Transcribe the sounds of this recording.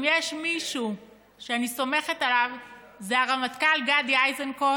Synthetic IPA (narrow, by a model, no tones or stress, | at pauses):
mjeʃmiʃu | ʃeaniso̞me̞χetalav | zeaʁamat̪kalɡad̪jajzenko